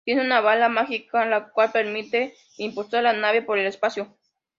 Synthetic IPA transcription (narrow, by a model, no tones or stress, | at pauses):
t̪jeneunaβalamaxikalakwalpeɾmit̪e | impulsaɾlanaβjapoɾelespasjo